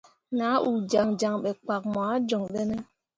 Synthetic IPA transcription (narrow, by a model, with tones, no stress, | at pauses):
na˨˦ʔu˨d͡ʒa˨ŋd͡ʒa˨ŋɓe˨k͡pa˨k̚ma˨˦d͡ʒɔ˨ŋɗe˦ne˦